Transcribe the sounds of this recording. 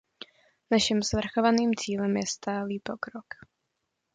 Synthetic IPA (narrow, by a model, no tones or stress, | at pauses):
naʃɪmsvr̩xovaniːmt͡siːlɛmjɛst̪aːliːpo̞kɾok